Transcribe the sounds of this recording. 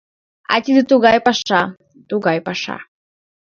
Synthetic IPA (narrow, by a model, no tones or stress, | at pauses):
a̰t̪ʲid̪ɨt̪uɡajpaʂa | t̪uɡajpaʂa̰